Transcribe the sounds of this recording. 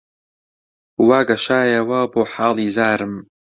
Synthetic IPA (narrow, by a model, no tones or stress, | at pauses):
waːɡaʃaːjawaboːħaːlizaːɾɨm